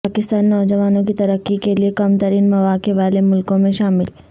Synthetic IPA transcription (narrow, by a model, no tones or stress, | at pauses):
aːkɪst̪aːnːɔːd͡ʒɐʋaːnõkit̪ɐɾəkːikeliekɐmt̪ɐɾiːnmɐʋaːkeʋaːlemʊlkõmẽʃaːmɪl